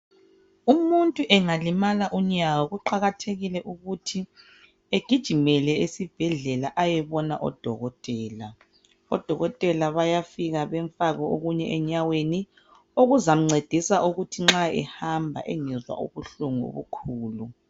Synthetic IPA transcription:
umuntʼuʔɛŋalimalaʔuɲaɣɔɣuǃaɣatʰeɣilɛʔuɣutʰi | eɡ̥ʱid̥ʒ̥ʱimɛlɛesib̥ʱɛɮɛlaʔajɛβɔnaʔɔ̰d̥ʱɔ̰ɣɔtʼɛːla | ɔ̰d̥ʱɔɣɔtʼɛlaβajafiɣaβɛɱfaɣɔoɣuɲɛʔɛɲaweni | oɣuzam̩ŋ͡ǀed̥ʱisaʔuɣutʰiŋ͡ǁaɛ̰hambʱa̰ʔɛŋɛzwa̰ʔṵβuɬuŋuo̰βukʰuːlu

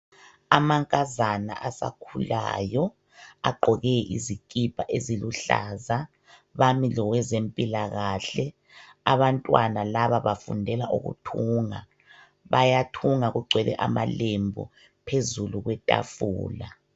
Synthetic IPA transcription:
amaŋkʼazana̰ʔasa̰kʰula̰jɔ | aɡ͡ǃʱɔɣɛʔḭzikʼipʰʼaʔeziluɬaːza | βamilɔɣwɛzempʼilaɣaɬɛ | aβantʼwanalaβaβafṵndʱɛlaʔuɣṵtʰuːŋa̰ | βajatʰuŋaɣuɡ͡ǀʱwɛlɛ̰ʔama̰lembʱṵ | pʰezuluɣwɛtʼa̰fṵːla

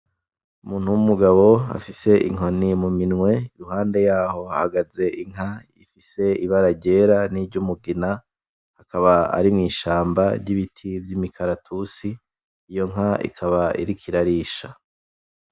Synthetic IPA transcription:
umuːn̥huwumuɡaβo̞a̰fise̞ʔḭŋo̞nimuminŋwe̞iɾuɦaːnde̞jaːho̞ahaɡaze̞iŋa | ḭfise̞iβaɾaɟe̞ɾaniɾɟumuɡina | hakaβaa̰ɾimŋiːʃaːmbaɾɟiβitʰivjimikʰaɾatʰusiː | jo̞ŋaḭkʰaβaḭɾikʰiɾaɾiːʃa

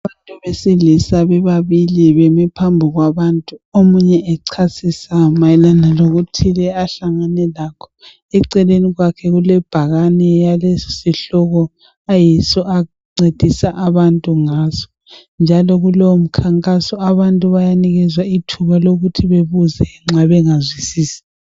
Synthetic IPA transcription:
aaβantʼuβesilisaβɛβaβiliβemipʰambʱuɣwaβantʼuomuɲɛʔɛǀʰasisamajɛlanaloɣutʰilɛaɬaŋanɛlakʰɔ̥ | ɛǀɛleniɣwakʰɛɣulɛb̥ʱaɣanɛjalesiɬɔɣɔ | ajisɔʔa | ɡ͡ǀed̥ʱisaʔaβantʼuŋazɔ̥ | nd͡ʒʱalɔɣulowm̩kʰaŋkʼasɔaβantʼuβajaniɣɛzwaitʰuβaloɣutʰiβeβuzɛŋ͡ǁaβɛŋazwisiːsi̥

